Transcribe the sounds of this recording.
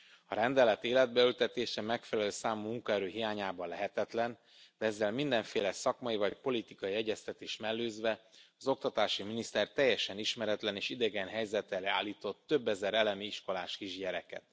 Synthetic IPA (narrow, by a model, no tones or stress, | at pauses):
ɒɾɛnd̪ɛlɛt̪eːlɛd̪̚bɛylt̪ɛt̪eːʃɛmɛkfɛlɛløːsaːmumuŋkɒɛɾøːɦijaːɲaːbɒnlɛɦɛt̪ɛt̪lɛn | d̪̥ɛɛzːɛlmind̪ɛɱfeːlɛsɒkmɒjivɒc̚po̞lit̪ikɒjiɛɟːɛst̪ɛt̪eːʃmɛlːøːzʋɛɒzo̞k̚t̪ɒt̪aːʃiminist̪ɛrt̪ɛjːɛʃɛniʃmɛɾɛt̪lɛneːʃid̪ɛɡɛnɦɛjzɛt̪ɛlɛa̰ːlːiːt̪o̞t̪ːø̞bːɛzɛɾɛlɛmiiʃko̞laːʃkiʒɟɛɾɛkɛ̰t̪